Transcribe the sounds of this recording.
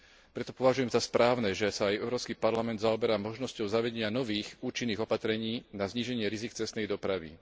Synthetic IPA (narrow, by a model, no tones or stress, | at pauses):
pɾɛt̪ɔ̥pɔʋaʒujɛmzaspɾaːʊnɛʒɛsaːjɛʊɾɔːpskipaɾlamɛnd̪zaɔbɛɾamɔʒnɔscɔʊzaʋɛɟɛɲɪanɔʋiːxuːt͡ʃinːiːɣɔpat̪ɾɛɲiːnazɲiʒɛɲɪɛɾizikt͡sɛst̪nɛjd̪ɔpɾaʋḭ